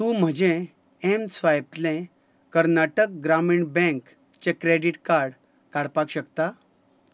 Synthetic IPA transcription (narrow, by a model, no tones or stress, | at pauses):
t̪ũːm̤əd͡ʑẽ | emsʋajplẽ | kəɾnaʈək̚ɡɾamiɳbɛ̃ŋk | t͡ɕekɾeɽiʈkaɾɽ | kaɽpakɕəkt̪a